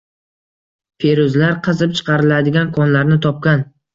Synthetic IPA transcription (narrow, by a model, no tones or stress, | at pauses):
pʰeɾʊzlaɾqʰɨzɪp̚t͡ʃʰɨ̥qʰɑɾɪlad̪ɪɡʲankʰɒnlaɾnɪt̪ʰɒp̚kʲan